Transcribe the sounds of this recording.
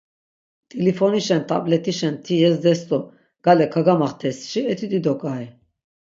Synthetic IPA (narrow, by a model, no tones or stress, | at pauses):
t̪ʼilifɔniʃɛnt̪ʰʼa̰blɛt̪ʰiʃɛnt̪ʰijɛsd̪ɛst̪ʼɔ | ɡ̥alɛkʰaɡamaχt̪ʰɛsʃiɛt̪ʰid̪id̪ɔkʼaɦɛ